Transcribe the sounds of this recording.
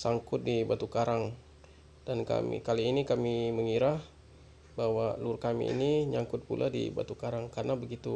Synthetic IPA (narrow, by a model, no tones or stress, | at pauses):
saŋkʊt̪̚dibat̪ukaɾaŋ | d̥anka̰mḭkaliːnikamiməŋiɾah | bawalʊrkamḭːniɲaŋkʊt̪̚pṵlʔadḭba̰t̪ukaɾaŋkarənabəɡit̪u